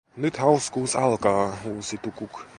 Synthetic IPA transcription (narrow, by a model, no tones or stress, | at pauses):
nyt̪hawskuːsɑlˠkɑːuːsit̪ukuk